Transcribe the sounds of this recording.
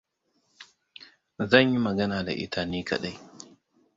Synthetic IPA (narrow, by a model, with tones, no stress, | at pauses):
zɐ˦˨ɲji˦mɐ˨ɡɐ˦naː˨da̰˨ʔɪ̰˦tʰaː˦niː˦kɐ̰˨ɗa˦j